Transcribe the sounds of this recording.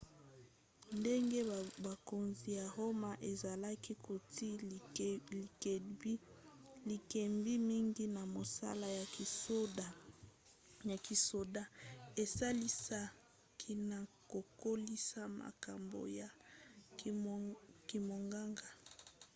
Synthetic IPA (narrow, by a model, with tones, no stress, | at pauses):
nde˦ŋɡe˦ba˨ko˨nzi˨ja˨ho˦ma˨ʔe˨za˨la˦ki˦kʰo˨ti˦˨˦ | li˨ke˨mbi˦mi˦ŋɡi˦na˨mo˨sa̰˦la˦ja˨o˦da˨ | ja˨ki˨so˨da˦e˨sa˦li˦sa˦ | kʰi˦na˨ | ko˨ko˦li˦sa˦ma̰˨ka̰˨mbo̰˨ja˨ | ki˨mo˨ŋɡa˦ŋɡa˨